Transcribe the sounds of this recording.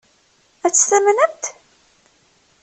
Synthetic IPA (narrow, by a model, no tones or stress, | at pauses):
æt͡sːə̥st̪æmənənt̪